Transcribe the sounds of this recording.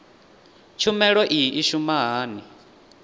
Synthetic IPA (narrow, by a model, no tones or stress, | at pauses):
t͡ʃʰumɛɺɔʔiʔiʃumaɦaːni